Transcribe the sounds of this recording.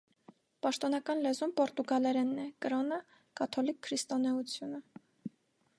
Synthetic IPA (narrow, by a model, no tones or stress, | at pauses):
pɑʃt̪ɔnɑkɑnlɛzumpɔɾt̪uɡɑlɛɾɛnːɛkəɾɔnə | kɑt̪ʰɔlikʰːɾist̪ɔnɛut͡sʰjunə